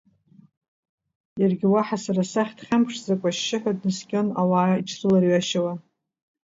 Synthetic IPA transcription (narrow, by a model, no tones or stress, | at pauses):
jarɡʲɪwaħasaɾasaχʲtʰχʲampʰʂzakʷʼaʃːɪħʷᶣadnɨskʲʼonawaːit͡ʃʰrɨlarɥaʃawa